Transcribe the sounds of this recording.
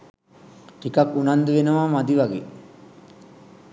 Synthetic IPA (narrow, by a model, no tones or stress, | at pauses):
ʈikakːunand̪uʋenəʋaːmad̪iʋaɡḛː